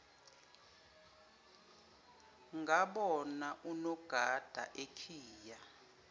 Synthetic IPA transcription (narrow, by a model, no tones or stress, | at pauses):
ŋaɓɔnaʔunɔɡ̥ʱad̥ʱa̰ʔekʰiːja